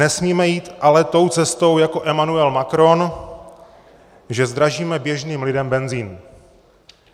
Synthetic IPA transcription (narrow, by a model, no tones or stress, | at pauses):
nɛsmiːmɛjiːt̪ʔalɛt̪o̞wt͡sɛst̪o̞wjako̞ʔɛmanuɛlmakɾo̞n | ʒɛzd̪ɾaʒiːmɛbjɛʒniːmlɪdɛmbɛnziːn